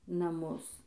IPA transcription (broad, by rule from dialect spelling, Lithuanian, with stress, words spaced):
nɐˈmʊs